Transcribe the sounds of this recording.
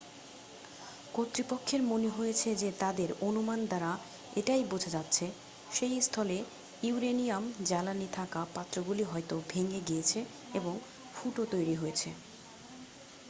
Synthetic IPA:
kot̪ɾipokʰːeɾmoneɦojet͡ɕʰed͡ʑet̪ad̪eɾonumand̪aɾa | eʈajbod͡ʑʱad͡ʑatːɕʰe | ʃejst̪ʰɔle | iuɾenijamd͡ʑalanit̪ʰakapat̪ːɾoɡuliɦɔjt̪obʱeŋeɡijet͡ɕʰe | eboŋ | fuʈot̪ojɾiɦojet͡ɕʰe

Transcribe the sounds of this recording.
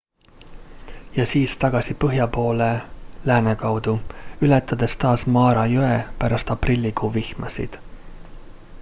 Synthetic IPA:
jɑsiːst̪ɑɡ̥ɑsipɤɦjɑpo̞ːle̞læːnekɑwd̪̥uylɛt̪ːˑɑd̪̥e̞st̪ɑːsmɑːɾɑjøepæɾɑst̪ɑprilʲːikuːvihmɑsḭd̪̥

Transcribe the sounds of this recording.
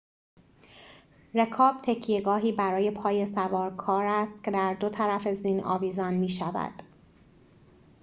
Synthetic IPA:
re̞kʰɒːb̥̚t̪ʰe̞cʰijeɡɒːɦiːbæɾɒːje̞pʰɒːje̞sævɒːɾkʰɒːɾæst̪̚cʰe̞d̪æɾd̪o̞t̪ʰæɾæfe̞zinɒ̰ːviːzɒːnmiːʃævæ̰d̪̥

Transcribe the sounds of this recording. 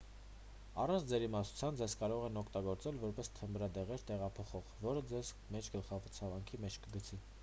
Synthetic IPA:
ɑrɑnt͡sʰd͡zɛɾimɑsu̥t͡sʰjɑnd͡zɛzkɑɾɔʁɛnɔkʰt̪ɑɡɔɾt͡sɛlvɔɾpɛst̪ʰəmbɾɑd̪ɛʁɛɾt̪ɛʁɑpʰɔχɔʁvɔɾəd͡zɛz | mɛt͡ʃʰɡəlχɑvɔɾt͡sʰɑvɑŋkʰimɛt͡ʃʰkəɡət͡sʰi

